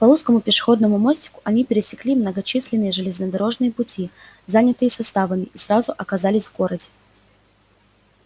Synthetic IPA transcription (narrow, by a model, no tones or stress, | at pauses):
pɐluskəmʊpʲɪʂɨ̥xo̞d̪nəmʊmo̞sʲtʲɪ̥kʊ̥ʔɐnʲipʲɪɾʲɪsʲɪ̥klʲimnəɡɐt͡ɕisʲlʲɪnːɨjəʐɨlʲɪznəd̪ɐɾo̞ʐnɨjəpʊtʲizanʲɪt̪ɨjəsɐst̪avəmʲɪisɾazʊʔɐkɐzalʲɪsʲvɡo̞ɾədʲɪ